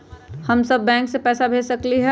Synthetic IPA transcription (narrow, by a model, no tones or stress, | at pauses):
hɐmsɐbːɛ̃ːŋksepɛːsabʱeːsəkliɦɛ